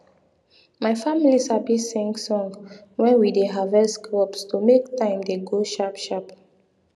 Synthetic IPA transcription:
majfamilisabisĩŋɡsɔ̃ŋɡwɛ̃nwideɦavɛskɹɔpstumektãɪ̃mdeɡoʃapʃap

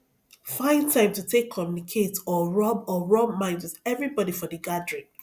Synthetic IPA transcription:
fãɪ̃ntʰãɪ̃mtutʰekʰːɔmjunikʰetɔɹɔbɔɹɔbmãɪ̃ndwɪðɛvɹibɔdifɔdəɡadɹĩn

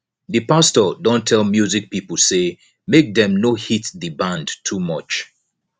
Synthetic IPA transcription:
ðɨpastədɔ̃ntʰɛlˠmjuzik̚pipəl̩ˠse | mek̚ðɛ̃mnohitðɨbãndtʰumʌt͡ʃ

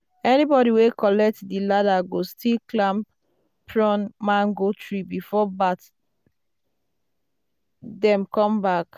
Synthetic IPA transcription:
ɛnibɔɾiwekɔlɛk̚tdiladaɡostʰilklãmp | pɹɔ̃nmãŋɡotʰɹibifɔbat | dɛ̃mkɔ̃mbak

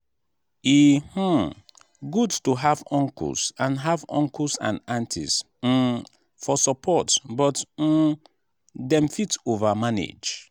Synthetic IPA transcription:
ih̩ | ɡudtuɦavɔ̃ŋkɔ̰lsãnɦavɔ̰̃ŋksã̰nãntʰḭs̩ | fɔsɔpʰɔtbɔt̩ | dɛ̃mfitovamanḛd͡ʒ

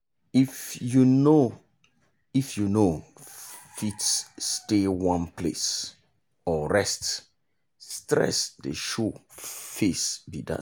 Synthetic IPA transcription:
ifjuno | ifjuno | fitsːtewãnplḛs | ɔɹɛst | stɹɛ̰sdeʃo | fesbida̰

